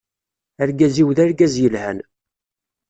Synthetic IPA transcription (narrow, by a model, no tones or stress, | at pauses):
æɾɡæziwðæɾɡæzjəlhæn